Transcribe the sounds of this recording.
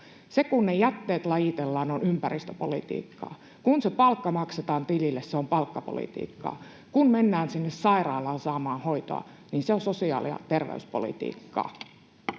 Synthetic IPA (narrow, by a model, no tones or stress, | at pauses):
sekunːejæt̪ːeːt̪lɑjit̪elːɑːnonympærist̪øpo̰lḭt̪ḭːkːɑ̰ː | kunsepɑlkːɑmɑkset̪ɑːnt̪ililːesseompɑlkːɑpo̰lḭt̪ḭːkːɑ̰ː | kunmenːæːnsinːessɑirɑːlɑːnsɑːmɑːnhoit̪o̰ɑ̰ | niːnseonsosiɑ̰ːlḭɑ̰t̪erʋḛyspolḭt̪ḭːkːɑ̰ː